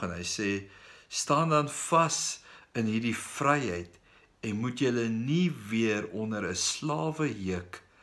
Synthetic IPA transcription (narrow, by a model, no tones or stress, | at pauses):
ənɦəjsɛːstɑːndɐnfɐsənɦirdifrɛjɦəjt | ɛnmutjələniviərɔndəɾəslɑːvəɦəək